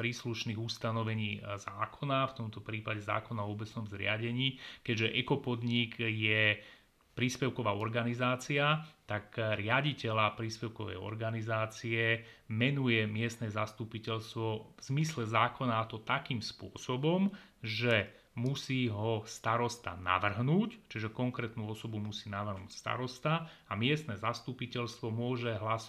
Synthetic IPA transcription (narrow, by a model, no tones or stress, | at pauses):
pɾiːsluʃniːɣust̪anɔʋɛɲiːzaːkʰɔnaft̪ɔmt̪ɔpɾiːpaɟɛza̰ːkɔnaɔɔbɛt͡snɔmzɾɪaɟɛɲiːkɛɟʒɛʔɛkɔpɔd̪ɲiɡjɛ | pɾiːspɛʊkɔʋaːɔɾɡanizaːt͡siat̪akɾɪaɟicɛlapɾiːspɛʊkɔʋɛ̰jɔ̰ɾɡanizaːt͡siɛmɛnujɛmɪɛst̪nɛːzast̪upicɛlst̪ʋɔvz̥mislɛzaːkɔnaːt̪ɔt̪akiːmspʊɔsɔbɔm | ʒɛ | musiːɦɔst̪aɾɔst̪a̰na̰ʋr̩ɦnuːct͡ʃiʒɛkɔŋkɾɛːt̪nuːɔsɔbumusiːnaʋr̩ɦnuːcst̪a̰ɾɔst̪aː | mɪɛst̪nɛzast̪upicɛʎst̪ʋɔmʊɔʒɛɦlas